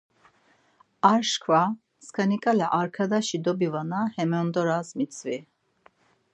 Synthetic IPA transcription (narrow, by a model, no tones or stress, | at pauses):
aɾʃkʰva | skʰanikʼalɛʔaɾkʰad̪aʃid̪ɔbivanahɛmɛɔnd̪ɔɾasmit̪t͡sʰvi